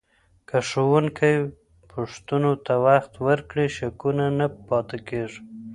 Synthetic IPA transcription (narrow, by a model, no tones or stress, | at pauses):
kəʂowʊŋkʰaj | pʰʊʂt̪unot̪awaxt̪wəɾkɽiʃakunanapɑt̪ekeʐ